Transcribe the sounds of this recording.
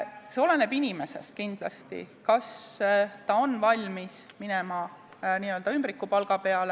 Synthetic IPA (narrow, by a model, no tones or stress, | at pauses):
se̞o̞le̞nebinʲime̞se̞̰st̪̚kind̪̥lɑ̰st̪ḭkɑst̪ɑo̞nːvɑlʲmis | minɛmɑ | niːø̞ld̪̥ɑymbɾikːˑupɑlɡ̥ɑpe̞ɑle